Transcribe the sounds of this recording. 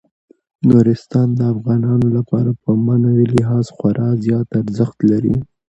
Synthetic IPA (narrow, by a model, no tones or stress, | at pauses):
nuɾɪst̪ɑnd̪əafɣɑnɑnolapɑɾapəmanaɾilɪɦɑzxwaɾʔɑzjɑt̪aɾzəxt̪laɾḭ